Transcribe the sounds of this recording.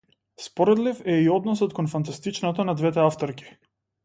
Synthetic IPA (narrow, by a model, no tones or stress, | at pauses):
spɔɾɛd̪lifɛiɔd̪nɔsɔt̪kɔnfant̪̬ast̪it͡ʃnɔt̪ɔnad̪vɛt̪ɛaft̪ɔɾkʲi̥